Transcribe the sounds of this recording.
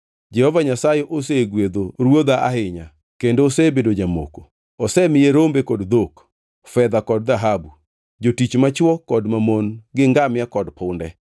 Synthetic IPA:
d͡ʒɛhɔvaɲasajeʔoseɡwed̪oɾwod̪aʔa̰ɦɪɲa | kendosebedod͡ʒamo̰ko | ɔsɛmɪjeɾombekɔdd̪ok | fɛd̪akɔd̚ðaɦabu | d͡ʒotit͡ʃmat͡ʃwɔkɔdmamonɡɪŋɡamjakɔdpʊndɛ

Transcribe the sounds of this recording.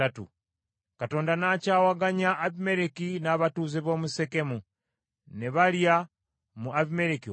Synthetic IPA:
atṵ | kato̞ːndanacaːwaɡaɲaʔːβime̞ɾekinaβatuːzeβo̞ːmusekemu | neβalja | muʔaβimeɾeki

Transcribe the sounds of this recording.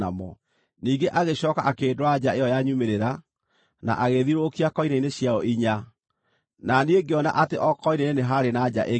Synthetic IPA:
amɔ̰ | niːŋɡeʔaɣeɕɔːkaʔakeːdoɾad͡ʑaejɔjaɲumeɾeɾa | na̰ʔaɣeðiɾokiakɔinaineɕjaɔiɲa | nanieɡeɔna̰ʔateʔɔkɔineneneɦaɾenad͡ʒa̰ʔe

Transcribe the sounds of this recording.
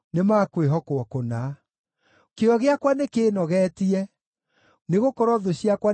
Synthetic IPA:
nemakweɦɔkoɔkona | keɔɣeakwanekeːnɔɣɛtiɛ | neɣokɔɾɔðoɕiakwa

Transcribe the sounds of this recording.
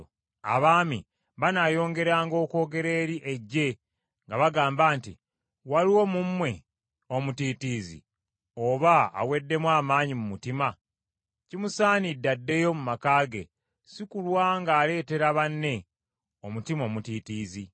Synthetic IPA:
a̰βaːmḭ | βanajo̞ːŋɡe̞ɾaːŋɡo̞ːko̞ːɡe̞ɾe̞ːɾiʔeɟːe̞ | ŋɡaβaɡaːmbaːntḭ | waliwo̞mumːwe̞ | o̞mutiːtiːzḭ | oβa̰ːwe̞dːe̞mwaːmaːɲimumutima | cimusaːnidːadːe̞jo̞mumakaːɡe̞̰ | sikulwaŋɡaːle̞ːte̞ɾaβanːe̞ | omutimo̞ːmutiːtiːzi

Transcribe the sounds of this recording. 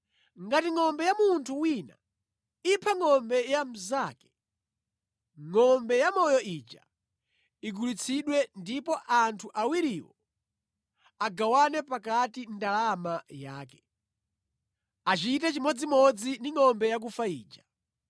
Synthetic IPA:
ŋɡatiŋɔmbɛjamuntʰuwina̰ | ipʰaŋɔmbɛjam̩zakɛ̥ | ŋɔmbɛjamɔjɔʔit͡ʃa̰ | iɡulit͡sʰiɗwɛndipɔʔantʰuʔawiɾiwɔ̰ | aɡawanɛpak̬atindalamajaːkɛ̥ | at͡ʃitɛt͡ʃimɔd͡zimɔd͡zindiŋɔmbɛjak̬ufaḭːd͡ʒa

